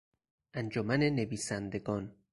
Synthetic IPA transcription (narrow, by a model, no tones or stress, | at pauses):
ʔænd͡ʒomænene̞viːsænd̪e̞ɡɒːn